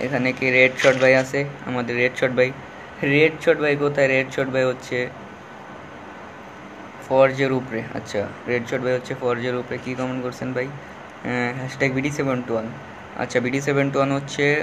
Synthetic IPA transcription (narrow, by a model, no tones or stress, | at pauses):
ḛkʰanekeɾeɖʃɔʈbajat͡ʃʰea̰mad̪eɾːeɖʃɔʈ̚bʱaj | ɾeɖʃʰɔʈbʱajkot̪ʰaeɾeɖʃɔʈbʱajɦotːɕʰe | fɔɾd͡ʑeɾupɾea̰tːɕʰaɾeɖʃʰɔɖbajɦotːɕʰefɔɾd͡ʑeɾupɾekikɔmeɳkoɾt͡ɕʰenbʱaj | ɦɛʃʈeɡ̚bʱiɖisebeɳʈuan | ɐ̰tːɕʰabiɖisebeɳʈuanɦotːɕʰe